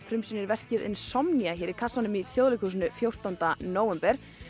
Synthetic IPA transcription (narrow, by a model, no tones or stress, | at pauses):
fɾʏmsinɪɾvɛr̥cɪðɪ̰nsɔmniaçɛːɾɪɾ̥kʰasanʏmiθjowðlɪjkus̬nʏfjowr̥t̪awnt̪anoːwvɛmpɛɾ̥